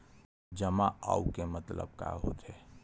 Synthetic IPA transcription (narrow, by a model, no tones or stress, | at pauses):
d͡ʒəmaa̰ːukemət̪lə̰b̚ka̰ɦo̰ːt̪ɦeː